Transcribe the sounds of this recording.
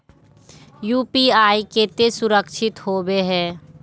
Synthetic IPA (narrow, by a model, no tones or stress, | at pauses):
juːpiaːiket̪esʊɾəkʃʰɪt̪hoːbeɦɛ̃ː